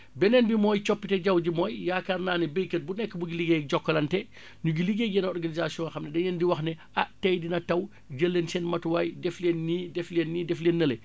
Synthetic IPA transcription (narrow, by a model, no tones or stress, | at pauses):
bɛnɛnbimɔːjt͡ʃɔpːitɛɟɐwd͡ʒimɔjjaːkarnaːnɛbəjkət̚bunɛkːəbuɡiliɡeɟɔkːɔlɐntɛ | ɲuɡiliɡeɡɛnɔrɡanizasiɔ̃ŋxɐmnɛdɛnɛndiwɐxnɛ | aʔtɐjdinɐtɐw | d͡ʒəlːensɛnmɐtwajdɛflenːidɛflenːidɛflenːɐle